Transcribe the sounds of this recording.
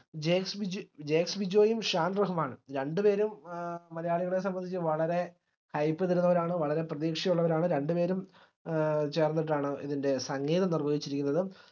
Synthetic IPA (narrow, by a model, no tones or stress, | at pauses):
d͡ʑeːksbid͡ʑd͡ʑe̞ːksbid͡ʑo̞ːjumʂaːnrɐɦumaːɳɨɾe̞ɳɖɨpe̞ːɾummɐlɐjaːɭiɣɐɭe̞s̬ɐmbɐnd̪it͡ɕːɨʋɐɭɐɾe̞ | hɐjpːɨðiɾunːɐʋɐɾaːɳɨʋɐɭɐɾe̞prɐðiːkʂɐjuɭːɐʋɐɾaːɳɨɾe̞ɳɖɨpe̞ːɾum | t͡ɕe̞ːrnːiʈ̬ːaːɳɨiðinde̞sɐŋːeːðɐnirbɐɡit͡ɕːiɾikʲːunːɐðɨ